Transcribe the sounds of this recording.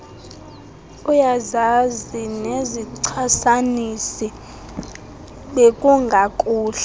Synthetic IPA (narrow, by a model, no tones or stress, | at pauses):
ujazazineziǀʰasanisi | ɓekʼuŋɡʱakʼuːɬa